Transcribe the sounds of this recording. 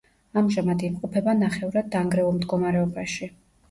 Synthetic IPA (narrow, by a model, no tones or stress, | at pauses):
amʒamad̪imqʼɔpʰɛbanaχɛuɾad̪ːaŋɡɾɛulˠmd̪ɡɔmaɾɛɔbaʃi